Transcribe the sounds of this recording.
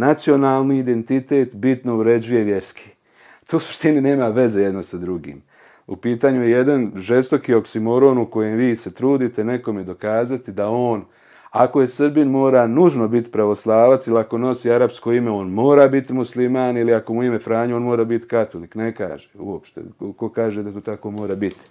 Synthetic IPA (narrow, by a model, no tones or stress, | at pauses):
nat̪sio̞naːlˠniːd̪e̞nt̪it̪e̞ːt̪bit̪no̞uɾe̞d͡ʑuje̞ʋje̞ɾskʰi̥ | t̪ousu̥ʃt̪inine̞ːmaʋe̞zeje̞d̪no̞sad̪ɾuɡḭːm | upiːt̪aːɲujeje̞d̪anʒe̞st̪o̞kio̞ksimoɾo̞ːnuko̞jemʋiːse̞t̪ɾuːd̪it̪e̞ne̞ko̞med̪o̞kaːzat̪id̪ao̞ːn | ako̞je̞sɨɾbinmo̞ːɾanuʒno̞bit̪i̥pɾaʋo̞slˠaːʋat̪silako̞no̞siaɾabsko̞ime̞o̞ːnmo̞ːɾaːbit̪imuslimaːniliako̞muime̞fɾaːɲuonmo̞ːɾaːbit̪i̥kat̪olikne̞ka̰ːʒeṵopʃt̪ḛoko̞kaːʒed̪at̪oːt̪ako̞mo̞ːɾaːbit̪i̥